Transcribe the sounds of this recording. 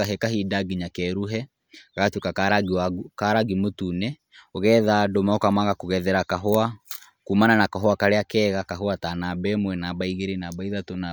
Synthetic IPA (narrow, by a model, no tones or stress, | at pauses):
aɦɛkaɦidaɡiɲakɛɾuɦɛ | kaɣatwekakaɾaɡakaɾaɡimotunɛ | oɣɛðadomaokamaɣakoɣɛðɛɾakaɦoa | kumananakaɦɔakaɾeakɛːɣakaɦoatanabɛmwɛnabaiɣeɾenabaiðatona